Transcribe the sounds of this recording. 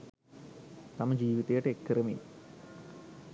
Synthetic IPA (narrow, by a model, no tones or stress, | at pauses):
t̪ɐmɐd͡ʑiːʋiðɐjʈːekːrɐmḭl